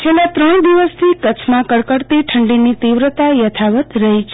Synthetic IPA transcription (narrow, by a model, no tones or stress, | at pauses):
t͡ʃʰelat̪ɾəɳ̃d̪iʋəst̪ʰikət͡ʃʰmãkəɽkəɾt̪iʈʰəɳɖinit̪iʋɾət̪ajət̪ʰaʋət̪ɾəɦit͡ʃʰ